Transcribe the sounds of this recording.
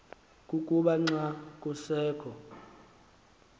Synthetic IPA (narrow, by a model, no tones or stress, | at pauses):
kʼukʼuɓaŋ͡ǀakʼusɛːkʰɔ